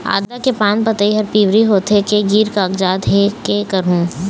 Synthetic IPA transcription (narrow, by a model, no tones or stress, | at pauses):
a̰ːd̪lakepaːnpɐt̪aiɦɐɾpiːʋɾiɦoːt̪ʰekeɡiːɾkaɐkd͡ʒaːd̪ɦekekɐɾɦũː